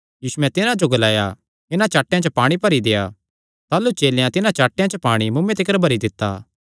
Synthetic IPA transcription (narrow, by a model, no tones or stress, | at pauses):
jiːsuɛt̪ɪnãd͡ʒoɡɐlaːja | ɪnãt͡ʃaːʈːejãt͡ʃəpaːɽ̃ipɐɾid̪eːja̰ | t̪aːlut͡ʃeːljãt̪ɪnãt͡ʃaːʈːejãt͡ʃəpaːɽ̃imʊmːẽt̪ɪkəɾbʱɐɾid̪ɪt̪ːa̰ː